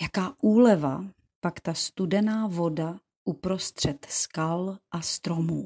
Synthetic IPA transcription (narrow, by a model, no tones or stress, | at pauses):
jakaːʔuːlɛva̰ | pakt̪ast̪udɛnaːvo̞da | ʔupɾo̞st̪r̝̥ɛt̪skalʔast̪ɾomuː